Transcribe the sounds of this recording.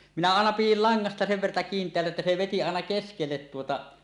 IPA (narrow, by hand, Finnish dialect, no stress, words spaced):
minæ ɑˑenɑ pijil lɑŋːɑstɑ seʋ ʋertɑ kiːntˑeælːæ etːæ se ʋeti ɑenɑ keskelːet tuotɑ